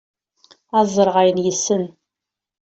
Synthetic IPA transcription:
æzˤəɾʁajənjəsːən

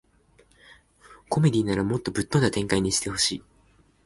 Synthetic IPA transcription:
ko̞me̞d̪ʲiːnaɾamo̞t̪ːo̞bɯ̟t̪ːõ̞nd̪at̪ẽ̞ŋkaiɲ̟iɕi̥t̪e̞ho̞ɕiː

